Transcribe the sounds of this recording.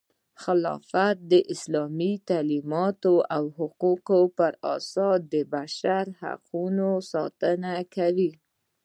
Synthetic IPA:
xɪlɑ̰fat̪̚d̪əʔɪslɑmit̪alimɑt̪oawhʊquqopəɾɑ̰sɑd̪əbaʃaɾha̰qʰunosɑ̰t̪ənakʰawi

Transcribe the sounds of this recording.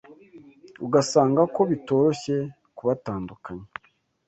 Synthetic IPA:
uɡasaːŋɡako̞βito̞ːɾo̞çe̞ | kuβataːndukaɲe

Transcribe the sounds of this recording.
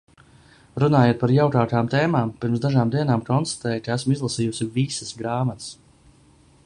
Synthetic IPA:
ɾunaːjuːt̪̚paɾjawkaːkaːmt̪eːmaːmpiɾmsd̪aʒaːmd̪iɛnaːmkɔnst̪ḁt̪ɛːjkaæsmizlˠasiːjusivisəsɡɾaːmat̪s

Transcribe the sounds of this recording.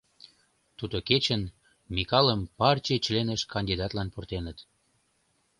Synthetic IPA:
t̪ud̪oket͡ɕən | mikɑləmpɑrt͡ɕet͡ɕlenəʃkɑnʲd̪id̪ɑt̪lɑnport̪enət̪

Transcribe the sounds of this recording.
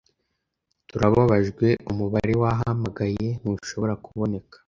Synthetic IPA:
tuɾaβaβaʒɡwe̞umuβaɾe̞waɦamaɡaje̞nuʃo̞βo̞ɾakuβo̞ne̞kḁ

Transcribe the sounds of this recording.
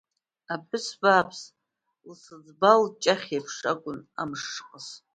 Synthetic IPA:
apʰʼɨsbaːpʰs | lsɨd͡zbalt͡ʃʼaχʲapʰʂakʷʼʊna̰mʂqʼəz

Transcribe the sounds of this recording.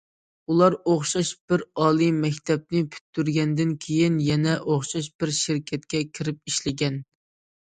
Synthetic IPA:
ulˠɑɾoχʃɑʃb̥ɪɾɑːlˠimɛkʲt̪ʰɛb̚nɪpʰy̥t̪ːyɾɡʲɛnd̪ɪnkʲʰejinjɛnɛʔoχʃɑʃ̬b̥ɪɾʃɪɾkʲʰɛt̪̚kʲɛkʲʰɪɾɪp̚iʃlɪɡʲɛn

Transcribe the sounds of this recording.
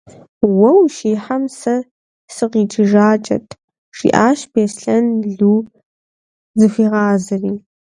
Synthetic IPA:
wɐwʃiːħamsɐ | sɨqiːt͡ʃʼɪʒaːt͡ʃʼɐ̰tʼʰ | ʂḭːʔaːʃbeːsɬɐnɮuː | zɨfiːʁɑːzɨriː

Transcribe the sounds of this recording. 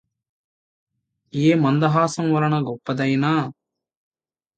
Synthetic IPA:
eːmɐnd̪ɐɦaːsɐmʋɐɾɐɳɐɡɔpːɐd̪ɐjnaː

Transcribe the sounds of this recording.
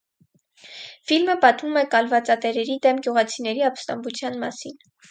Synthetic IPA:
filməpɑt̪vumɛkɑlvɑt͡sɑt̪ɛɾɛɾid̪ɛmɡjuʁɑt͡sʰinɛɾiɑpst̪ɑmbut͡sʰjɑnmɑ̰sin

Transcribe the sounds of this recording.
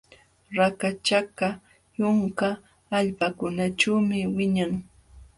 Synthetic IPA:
ɾakat͡ʃaka | jʊŋkaː | ʎpakʊnat͡ʃawmɪwɪɲaŋ

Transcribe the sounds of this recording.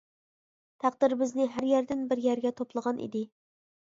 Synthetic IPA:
t̪ʰæq̚d̪ɪɾbɪznɪɦæɾjæɾd̪ɪnbɪɾjæɾɡʲɛt̪ʰoplˠəʁɑnʔḭd̪ɪ

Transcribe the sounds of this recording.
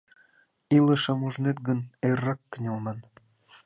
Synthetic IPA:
ilə̆ʃɤ̆muʒnet̪̚ɡə̆nerːɑkːənʲelmɑn

